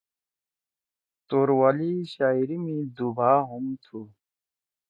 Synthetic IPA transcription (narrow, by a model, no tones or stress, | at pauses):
t̪oɾwaliɕaiɾimid̪ubʱaːɦumt̪ʰu